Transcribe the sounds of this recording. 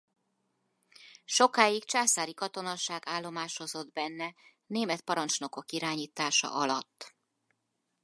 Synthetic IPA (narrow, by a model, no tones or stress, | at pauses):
ʃo̞kaːjikt͡ʃaːsaːɾikɒt̪o̞nɒʃaːɡaːlːo̞maːʃo̞zo̞d̪bɛnːɛ | neːmɛt̪̚pɒɾɒnt͡ʃno̞ko̞kiɾaːɲiːt̪aːʃɒ̰ʔɒlɒt̪ː